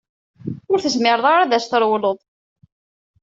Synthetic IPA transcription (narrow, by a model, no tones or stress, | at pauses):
ʊɾθəzmɪɾəðˤaɾæðæsθəɾˤwləðˤ